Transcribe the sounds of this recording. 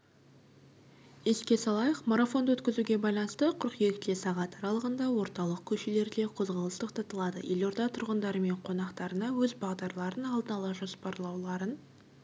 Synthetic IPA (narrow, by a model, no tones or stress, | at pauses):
je̞skʲe̞sɑlˠɑjəqmoɾafo̞nd̪wɵt̪kʲɪzuɡʲe̞bɑjlˠɑnəst̪əqʰʊɾqje̞kt̪lesɑʁɑt̪ɑɾɑlˠəʁənd̪ɑwo̞ɾt̪ɑlˠəq̚kʲʰɵʃele̞ɾd̪e̞qʰo̞zʁɑlˠəst̪əqt̪ʰɑt̪əlˠɑd̪ə̰jelo̞ɾd̪ɑt̪ʰʊɾʁənd̪ɑɾəme̞ɴqʰo̞nɑqt̪ɑɾənɑwɵzbɑʁd̪ɑɾlˠɑɾənɑlˠd̪ənɑlˠɑʒospɑɾlˠɑwlˠɑɾən